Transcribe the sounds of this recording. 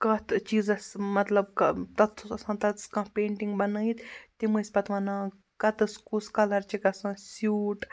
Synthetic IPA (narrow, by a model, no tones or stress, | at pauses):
kɐt̪ʰt͡ʃiːzɐsmɐt̪lɐbkɐt̪ɐt̪ʰɐsãːt̪ɐt̪skãːpeːɳʈiŋɡbɐnɐit̪t̪imɨsʲpɐt̪ʋɐnãː | kɐt̪ɨskuskɐlɐɾt͡ʃikɐsãːsuːʈ